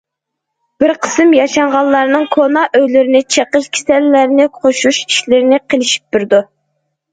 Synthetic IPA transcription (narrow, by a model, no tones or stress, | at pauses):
b̥ɪɾqʰə̥sɨmjɑʃɑɴʁɑlˠːɑɾnɨŋkʰonɑʔøjlɪɾɪnɪt͡ʃʰeqəʃkʲʰe̥sɛlːæɾɪnɪqʰoʃuʃi̥ʃlɪɾɪnɪqʰelˠɪʃi̥p̚b̥yɾd̪u